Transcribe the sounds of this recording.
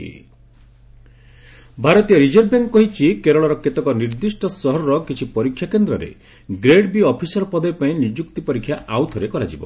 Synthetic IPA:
ḭ | bʱaɾɔt̪ijɔɾid͡ʒɔɾbeŋkkːɔɦit͡ʃʰikeɾɔɭɔɾɔket̪ɔkɔniɾd̪isʈɔsɔɦɔɾɔɾɔkit͡ʃʰipɔɾikʰːjakend̪ɾɔ̰ɾḛ | ɡɾeɖbiɔpʰisɔɾɔpɔd̪ɔjpaĩnid͡ʒukt̪ipɔɾikʰːjaʔawt̪ʰɔɾekɔɾa̰d͡ʒibɔ̰

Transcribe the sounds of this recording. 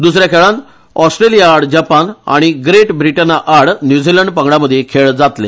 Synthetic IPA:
d̪usɾjakʰeɭãn | ɔsʈɾelijaːɽd͡ʑapana̰ɽ̃iɡɾeʈbɾiʈənaʔaɽnjud͡ziləɳɖpəŋɡɽaməd̪ʱːjekʰeɭd͡zat̪lḛ

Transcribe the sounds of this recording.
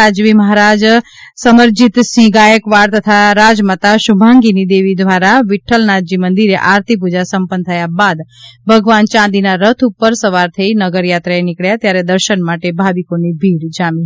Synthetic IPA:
ad͡ʒʋiməɦaɾad͡ʒsəməɾd͡ʒit̪sĩɡajəkʋaɽt̪ət̪ʰaɾad͡ʒmət̪aʃubʱaŋɡinid̪eʋid̪ʋaɾaʋiʈʰəlnad͡ʒimənd̪iɾeʔaɾt̪ʰip̬ud͡ʒasəmpənt̪ʰəjabad̪bʱəɡʋant͡ʃãd̪inaɾət̪ʰupːəɾsəʋaɾt̪ʰəinəɡəɾjat̪ɾaenɪkɭjat̪jaɾed̪əɾʃənmaʈebʱaʋikonibʱiɽd͡ʒamĩ

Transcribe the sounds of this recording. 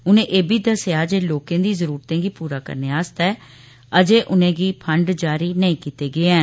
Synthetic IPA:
ʊnẽːʔeːbiːd̪əsjaːd͡ʒeːloːkẽːd̪iːzəɾuːɾt̪ẽːɡiːpuːɾaːkə̰ɾneaːst̪ɛː | əd͡ʒeːʔʊnẽːɡiːpʰəɳɖd͡ʒaːɾiːnəĩːkiːt̪eːɡɪeːɛː

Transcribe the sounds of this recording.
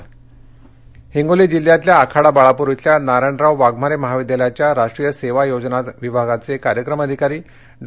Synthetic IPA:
hiŋɡolid͡ʑil̤jat̪ljaːkʰaɽabaɭapuɾut͡sjanaɾaɳɖɾawʋaɡmaɾeməɦaʋid̪jaljat͡ɕjaɾaʂʈɾijəseʋajod͡znaʋibʱaɡat͡sekaɾjəkɾəməd̪ʱikaɾiː | ɖ

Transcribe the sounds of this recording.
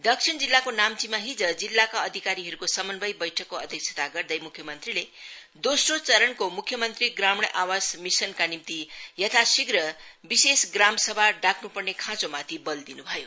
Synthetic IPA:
d̪ʌksʰiɳd͡zilːakonamt͡simaɦid͡zʌd͡zilːakaʌd̪ʱikaɾiɦʌɾukosʌmʌnbʌjbʌjʈʰʌkːoʌd̪ʱjʌk̚t͡sʰe̥t̪aɡʌrd̪ʌjmukʰːjʌmʌnt̪riled̪osrot͡sʌɾʌɳkomukʰːjʌmʌnt̪riɡramɽʔawasmisʌnkanimt̪ijʌt̪ʰasiɡrʌbisesɡramsʌbʱaɖaknupʌrnekʰãt͡somat̪ʰibʌld̪inubʱʌjo

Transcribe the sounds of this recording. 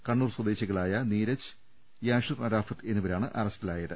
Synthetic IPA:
kɐɳːuːrswɐd̪eːɕiɣɐɭaːjɐniːɾɐt͡ɕɨ̥ | jaːʂɐrnɐɾaːfɐt̪ːe̞nːuʋɐɾaːɳɨʔɐrɐstilaːjɐðɨ

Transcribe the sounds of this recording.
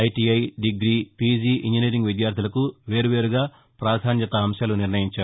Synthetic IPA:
ɐjʈiɐjɖiɡɾiːpid͡ʒiːʔiɲd͡ʒiniːɾiŋɡʋid̪jaːɾt̪ʰulɐkuʋe̞ːɾuʋe̞ːɾuɡaː | pɾaːd̪ʰʱaːnjɐt̪ɐɐmʃjaːluniɾnɐjiɲt͡ʃaːɾu

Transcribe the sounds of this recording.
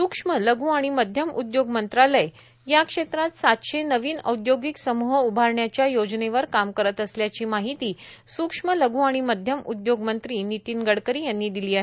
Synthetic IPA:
sukʂmələɡũaɽ̃iməd̪ʱjəmud̪joɡmənt̪ɾaləj | jakʂet̪ɾat̪sat̪ɕenəʋiːnə̰wd̪joɡiksəmuɦəubʱaɾɳjat͡ɕjajod͡zneʋəɾkamkəɾət̪əsljat͡ɕiːmaɦit̪iːsukʂmələɡũːaɽ̃iməd̪ʱjəmud̪joɡmənt̪ɾiːnit̪iːnɡəɽkəɾiːjanːiːd̪iliːaɦe

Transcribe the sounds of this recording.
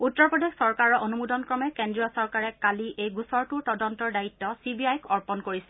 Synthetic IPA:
utːɔɹpɹɔdexsɔɹkaɹɔʔonumudɔnkɹɔmɛkendɹiɔsɔɹkaɹɛkaliʔejɡusɔɹtuɹtɔdɔntɔɹdaitːɔsibiajkʰɔɹpɔnkoɹisɛ̥

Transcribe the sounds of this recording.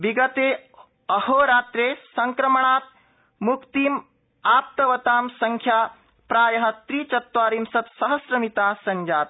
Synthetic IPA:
ʋiɡɐt̪eː | ɐhoːɾaːt̪ɾeːsɐŋkɾɐmɐɳaːt̪̚ | mukt̪iːm | aːp̚t̪ɐʋɐt̪aːmsɐŋkʰjaː | pɾaːjɐɦɐ̆t̪ɾiːt͡ʃɐt̪ʋaːɾiːmsɐt̪sɐɦɐsɾɐmit̪aːsɐɲd͡ʒaːt̪

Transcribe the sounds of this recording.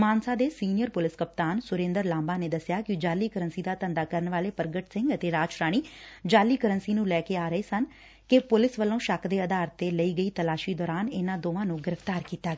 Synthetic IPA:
maːnsaːd̪eːsiːnɪjəɾpʊlɪskəp̚t̪aːnsʊɾẽːnd̪əɾlãːmbaːneːd̪əsjaːkɪd͡ʒaːliːkəɾənsiːd̪aːt̪ənd̪aːkəɾənʋaːleːpəɾɡəʈsɪ̃ŋɡət̪eːɾaːd͡ʒɾaːɽ̃iːd͡ʒaːlːiːkəɾənsiːnũːlɛːkeːaːɾəeːsən | kɪpʊlɪsʋəlːõːʃəkʰd̪eːəd̪aːɾt̪eːləiːɡəiːt̪əlaːʃiːd̪ɔːɾaːnɪnãːd̪oːʋãːnũːɡɪɾəft̪aːɾkiːt̪aːɡ

